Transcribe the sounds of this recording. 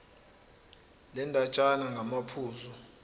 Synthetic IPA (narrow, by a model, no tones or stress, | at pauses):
lɛndʼʱat͡ʃʼanaŋɡʱamapʰuːzɔ